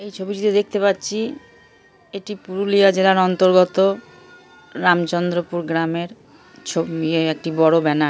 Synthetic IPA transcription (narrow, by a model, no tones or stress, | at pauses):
ejt͡ɕʰobiʈit̪ed̪ek̚ʰt̪epatːɕʰi | eʈipuɾuliad͡ʑelaɾɔnt̪oɾɡot̪o | ɾamt͡ɕɔnd̪ɾopuɾɡɾameɾ | t͡ɕʰobieek̚ʈibɔɽobɛna